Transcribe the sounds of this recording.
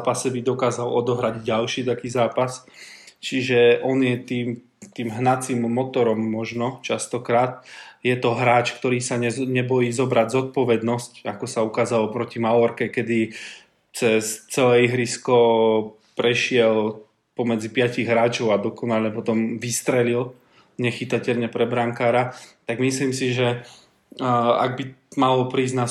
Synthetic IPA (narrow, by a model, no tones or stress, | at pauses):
pasɛbid̪ɔkaːzalɔd̪ɔɦɾaɟɟalʃiːt̪akiːzaːpast͡ʃiʒɛʔɔnjɛt̪iːm | t̪iːmɦnat͡siːmːɔt̪ɔɾɔmːɔʒnɔt͡ʃast̪ɔkɾaːt̪̚jɛt̪ɔɦɾaːt͡ʃkt̪ɔɾiːsaɲɛɲɛbɔjiːzɔbɾaɟzɔt̪̚pɔʋɛd̪nɔscakɔsaukaːzalɔpɾɔcimaʊɔɾkɛkɛd̪i | t͡sɛst͡sɛlɛiɦɾiskɔ | pɾɛʃɪɛl | pɔmɛd͡zipɪaciɣɦɾaːt͡ʃɔʊad̪ɔkɔnaʎɛpɔt̪ɔmʋist̪ɾɛlil | ɲɛxit̪acɛʎɲɛpɾɛbɾaŋkaːɾat̪aɡmisliːmsiʒɛ | a̰ɡ̚bimalɔpɾiːzɟna